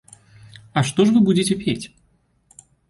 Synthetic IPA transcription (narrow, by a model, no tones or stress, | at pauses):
ɐʂt̪ɔʂvɨbud͡zʲɪt͡sʲɛpʲet͡sʲ